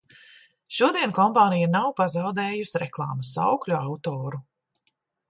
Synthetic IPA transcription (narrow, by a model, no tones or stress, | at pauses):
ʃuɔd̪iɛnkɔmpaːnijanawpazawd̪ɛːjusiɾɛklˠɑ̰ːmɐsa̰wklʲuawt̪ɔːɾu